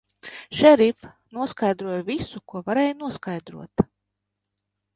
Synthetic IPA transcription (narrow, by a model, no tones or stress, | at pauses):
ʃɛɾif | nuɔskajd̪ɾuɔjvisukuɔvaɾeːjnuɔskajd̪ɾṵɔt̪